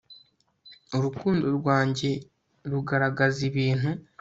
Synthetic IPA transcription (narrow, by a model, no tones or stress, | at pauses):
oɾukuːndo̞ɾɡwaːɲɟe̞ | ɾuɡaɾaɡaziβiːn̥hu